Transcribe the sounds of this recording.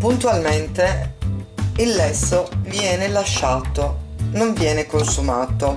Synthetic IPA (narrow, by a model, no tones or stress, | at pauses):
punt̪ualment̪e | ilːɛsːovjɛːnelaʃːaːt̪onoɱvjɛːnekonsumaːt̪o